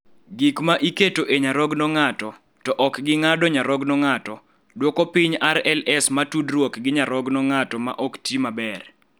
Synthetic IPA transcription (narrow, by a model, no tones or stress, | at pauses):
ɡikmaʔiketoʔeɲaɾɔɡnɔŋatɔ | tɔʔɔkɡɪŋadɔɲaɾɔɡnɔŋatɔ | dwɔkopiɲaɾɛlɛsmatudrwɔkɡɪɲaɾɔɡnɔŋatɔma̰ʔɔktimabɛr